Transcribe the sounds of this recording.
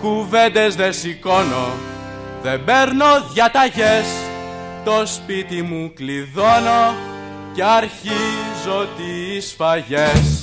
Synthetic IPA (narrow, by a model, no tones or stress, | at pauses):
kuve̞nd̪e̞zðe̞siko̞no̞̰ | ðe̞be̞ɾno̞ðʝɐt̪ɐʝe̞s | t̪o̞spit̪imukliðo̞no̞ | ce̞ɐɾçizot̪iːsfɐʝes